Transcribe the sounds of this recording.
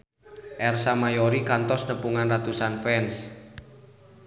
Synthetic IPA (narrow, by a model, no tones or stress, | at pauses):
ʔɛrsamajɔɾikant̪ɔsnəpuŋanrat̪usanfɛns